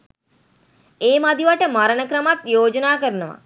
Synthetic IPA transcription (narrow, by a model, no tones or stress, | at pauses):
eːmad̪iʋaʈəmaɾənəkɾəmat̪joːd͡ʒənaːkəɾənəʋa̰